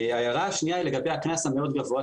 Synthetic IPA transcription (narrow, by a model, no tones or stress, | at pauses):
ajaʁaaʃnijaileɡabejhaknashameo̞d̪ɡavoa